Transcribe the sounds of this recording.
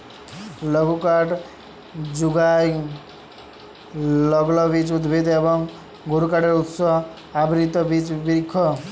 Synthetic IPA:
lʌɡukaʈ | d͡zuɡaj | lʌɡlʌbit͡sud̪bʱid̪ebʌŋ | ɡʱuɾukaʈeɾut̪sʌ | abɾit̪ʌbit͡sbiɾkʰːʌ

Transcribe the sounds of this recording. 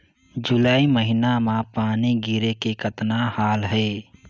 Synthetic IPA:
d͡ʒʊlaːiməɦɪnamãpaːniɡiɾekekət̪nahaːlɦɛ

